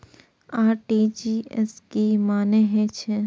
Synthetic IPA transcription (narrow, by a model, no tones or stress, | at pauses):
aːɾʈid͡ʒiɛ̰skimaːneɦɛt͡ʃʰɛ